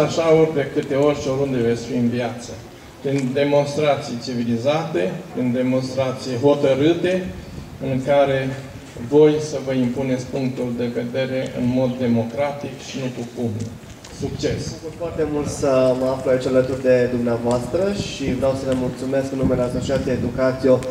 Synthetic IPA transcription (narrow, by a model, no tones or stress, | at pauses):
aʃaorʲd̪e̞kɨt̪e̞o̞rʲʃioɾund̪e̞ve̞t̪sʲfiɨnviat̪sə | pɾind̪e̞mo̞nst̪ɾat̪sijt͡ʃivilizat̪e̞pɾind̪e̞mo̞nst̪ɾat̪sijɦo̞t̪əɾɨt̪e̞ | ɨŋkaɾe̞ | vo̞jsəvəimpune̞t̪sʲpuŋk̚t̪uld̪e̞ve̞d̪e̞ɾe̞ʔɨ̰nmo̞d̪ːe̞mo̞kɾat̪ikʃinukukum | sukt͡ʃe̞skut̪foart̪e̞mult̪səməafluait͡ʃalət̪urʲd̪e̞d̪umneavoast̪ɾəʃivɾejawsələmult̪sume̞skɨnːumeleasot͡ʃiat̪eed̪ukat̪sijo